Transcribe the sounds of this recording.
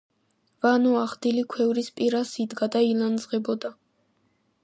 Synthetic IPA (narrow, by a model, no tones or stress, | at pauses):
vanɔaχd̪ilikʰwɛvɾispʼiɾasid̪ɡad̪ailˠand̪zʁɛbɔd̪a